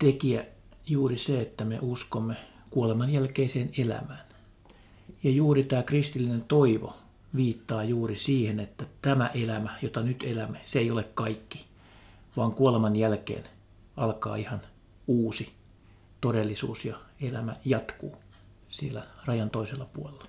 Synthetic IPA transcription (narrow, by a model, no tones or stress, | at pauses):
t̪ekiæ | juːriseet̪ːæmḛuskomːe | kuolemɑnjælkeiseːnelæ̰mæːn | jɑjuːrit̪æːkrist̪ilːinent̪oiʋo̰ | ʋiːt̪ːɑːjuːrisiːhenet̪ːæt̪æmæʔelæmæjot̪ɑnyt̪elæmːeseeijolekkɑikːi̥ | ʋɑːŋkuolemɑnjælkḛːn | ɑlkɑ̰ːihɑn | uːsi | t̪odelːisṵːsjɑelæmæjɑt̪kṵː | sielærɑjɑnt̪oiselːɑpuolelːɑ̥